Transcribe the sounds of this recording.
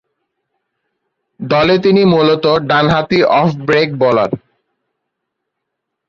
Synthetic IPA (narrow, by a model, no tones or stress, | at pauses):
d̪ɔlet̪inimulot̪oɖanɦat̪iʔɔfʰbɾek̚bɔla̰ɾ